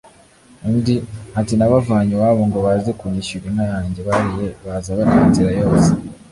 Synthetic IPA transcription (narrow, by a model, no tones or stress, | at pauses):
undihatinaβavaɲewaβoŋɡoβazekuɲiʃuɾimajaːɲɟeβaɾijeβazaβatuβitiɾajo̞ːse̥